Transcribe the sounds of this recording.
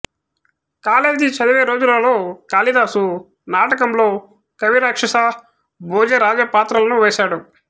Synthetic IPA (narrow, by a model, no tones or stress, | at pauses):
kaːleːd͡ʒit͡ʃɐd̪ɐʋeːɾo̞ːd͡ʒulɐloːkaːlid̪aːsu | naːʈɐkɐmlo̞ː | kɐʋiɾaːkʂɐsa | boːd͡ʒeɾaːd͡ʒɐpaːt̪ɾɐlɐnuʋeːʃaːɽu